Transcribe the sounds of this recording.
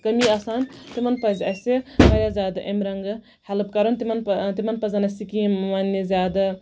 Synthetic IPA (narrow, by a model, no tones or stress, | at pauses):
kɐmiɐsant̪imɐnpɐzʲɐsebɐɾʲjazʲaːd̪ɐʔemɾɐŋɡɐ | helɐpkɐɾɐnt̪imɐnt̪imɐnpɐzanɐsikimʋanːizʲaːd̪ɐ